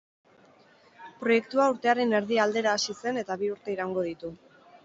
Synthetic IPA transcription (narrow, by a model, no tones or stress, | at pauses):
pɾo̞je̞kt̪uauɾt̪e̞aɾe̞ne̞ɾðiald̪e̞ɾaːsise̞ne̞t̪aβiuɾt̪e̞iɾauŋɡo̞ð̞it̪u